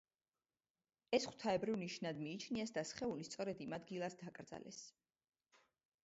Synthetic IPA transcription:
ɛsχw̥t̪ʰaɛbɾivniʃnad̪miːt͡ʃʰniɛsd̪asχɛulist̪sʼɔɾɛd̪imad̪ɡilˠasd̪akʼɾd̪za̰lʔɛ̰s

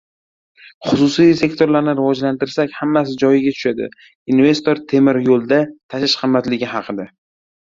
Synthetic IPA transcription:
χʊsʊsijse̞kt̪ʰo̞ɾlaɾnɪɾɪvɒd͡ʒlant̪ɪɾsakʲhamːasɪd͡ʒɒjɪɡʲat̪ʰʊ̥ʃad̪ɪ̰ | inve̞st̪o̞ɾt̪ʰe̞mɪɾjolˠd̪at̪ʰaʃɪʃqʰɨmːat̪lɪɡʲɪɦɑqʰɨd̪a

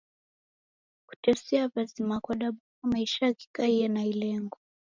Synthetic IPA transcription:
ku̥tɛsɛavazimakwaɗaɓukamaiʃaaki̥kaijanailɛŋɡɔ

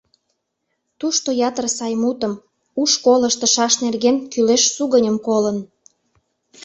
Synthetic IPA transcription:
t̪uʃt̪ojɑt̪ərsɑjmut̪əm | uʃkoləʃt̪ə̆ʃɑʃnerɣenkyleʃsuɣənʲəmkolən

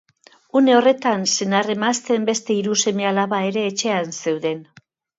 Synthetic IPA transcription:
une̞o̞re̞t̪anse̞nare̞mast̪e̞mbe̞st̪e̞iɾuse̞mealaβae̞ɾe̞ːt͡ʃe̞anse̞wðe̞n

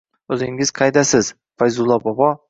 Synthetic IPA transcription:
ɵzɪŋɪz̥qʰɑjd̪asɪz̥ | fajzʊlˠːɒbɒbɒ

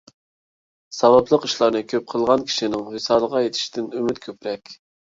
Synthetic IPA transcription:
sɑwɑplˠəqiʃlˠɑɾnɨkʲʰøp̚qʰəlˠʁɑnkʲʰi̥ʃinɪŋhesɑːlˠəʁɑjet̪ʰɪ̥ʃt̪ʰɪnymyt̪kʲʰøpɾɛkʲ

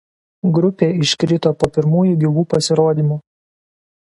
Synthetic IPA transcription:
ɡɾʊpʲeːɪʃʲkɾʲɪt̪oːpoːpʲɪɾmuːjuɡʲɪʋuːpɐsʲɪɾoːd̪ʲimuː

